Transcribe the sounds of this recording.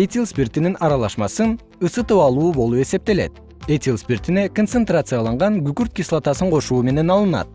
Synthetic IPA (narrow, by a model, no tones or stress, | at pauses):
et̪ʲilˠspʲirt̪ininɑɾɑlˠɑʃmɑsɯn | ɯsɯt̪ɯpɑlˠuːbo̞lˠupe̞se̞p̚t̪e̞le̞̰t̪ | et̪ʲilˠspʲirt̪ine̞kont̪sent̪rat̪sɨjɑlˠɑɴʁɑŋɡykyɾt̪̚kʲislˠat̪ɑsɯɴqʰo̞ʃuːme̞ne̞nɑlˠɯnɑ̰t̪̚